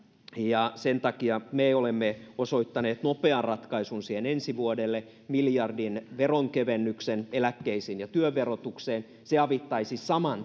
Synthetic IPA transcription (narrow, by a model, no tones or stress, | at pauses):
jɑsent̪ɑkiɑmeolemːeoso̞it̪ːɑneːt̪nopeɑnrɑt̪kɑisunsiːhenensiʋuodelːe | miljɑrdinʋeroŋkeʋenːyksenelækːeisinjɑt̪yøʋerot̪ukseːn | seɑʋit̪ːɑisisɑmɑn